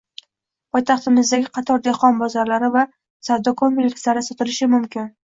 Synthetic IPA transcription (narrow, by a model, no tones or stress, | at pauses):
pʰɒjt̪ʰɑχt̪ɪmɪzd̪aɡʲɪqʰɑt̪ʰɒɾd̪eχɒnbɒzaɾlaɾɪva | sawd̪okʰombɪlʲɪkslaɾɪsɒt̪ʰɪlɪʃɪmʊmkʲʰɪn